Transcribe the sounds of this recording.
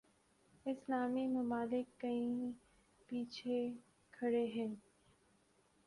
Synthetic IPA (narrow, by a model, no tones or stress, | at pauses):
ɪslaːmimʊmaːlɪkːɐĩ | piːt͡ʃʰe | kʰɐɽeɦɛ̃ː